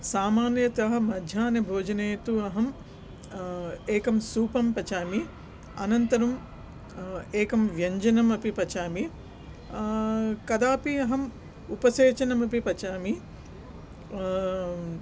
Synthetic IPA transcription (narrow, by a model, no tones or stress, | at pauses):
saːmaːnjɐt̪ɐɦɐ̆mɐd̪ʱjaːnjɐbʱoːd͡ʒɐneːt̪uɐɦɐm | eːkɐmsuːpɐmpɐt͡ʃaːmi | ɐnɐnt̪ɐɾɐm | eːkɐmʋjɐɲd͡ʒɐnɐmɐpipɐt͡ʃaːmi | kɐd̪aːpiɐɦɐm | upɐseːt͡ʃɐnɐmɐpipɐt͡ʃaːmi